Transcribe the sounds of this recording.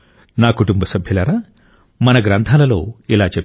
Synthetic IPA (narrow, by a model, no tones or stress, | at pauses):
naːkuʈumbɐsɐbʱjɐlɐɾaː | mɐnɐɡɾɐnt̪ʰaːlɐlo̰ːilaːt͡ʃe